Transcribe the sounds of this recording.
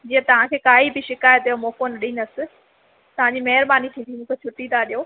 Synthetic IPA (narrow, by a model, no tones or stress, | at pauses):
d͡ʑiːə̃t̪ɐʋ̤ãkʰeːkaːibɪʃɪkaːjət̪̚ijomoːkonɐɗĩːnɐsɪ̆ | t̪ɐʋ̤ãɲd͡ʑimɐɦɪɾbaːnikʰĩːd̪ʰimũːkʰet͡ɕʰʊʈĩd̪aɗijoː